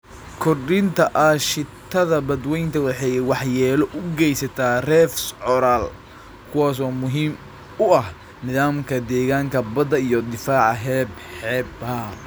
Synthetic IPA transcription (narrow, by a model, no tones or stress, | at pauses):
kʰɔrɖɪnt̪ʰɐʔaːʃɪt̪ʰːɐðɐbɐd̪wɛjnt̪ʰɐwɑħɑjwɑħjɛːlɔʔʊɡɛjsɐt̪ʰaːrɛːfsʕɔɾaːl | kʰʊwaːs̬ɔːmʊɦiːm | ʊɐh | nɪðaːmkʰɐd̪ɛːɣaːŋkʰɐbɐd̪ɐijɔd̪ɪfaːʕɑɦɛːbħɛːbɐ